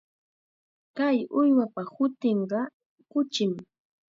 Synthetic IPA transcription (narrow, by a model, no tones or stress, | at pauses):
kajʊjwapahʊt̪eɴɢɑ | kʊt͡ʃɪm